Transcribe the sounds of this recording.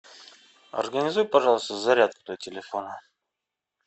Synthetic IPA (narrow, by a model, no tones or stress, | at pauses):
ɐ̰rɡənʲɪzujpɐʐɑlˠəst̪əzɐɾʲat̪ɛ̥t̪əvətʲɪlʲɪfonə